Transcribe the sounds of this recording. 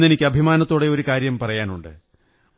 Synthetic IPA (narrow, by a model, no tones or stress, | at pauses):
enikʲːɨɐbʱimaːnɐt̪ːo̞ːɽeo̞ɾukaːɾjɐmpɐrɐjaːnuɳɖɨ̰